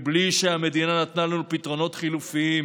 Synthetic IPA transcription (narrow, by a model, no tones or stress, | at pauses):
bliʃeame̞d̪inanat̪nalanupit̪ʁo̞no̞t̪χilufii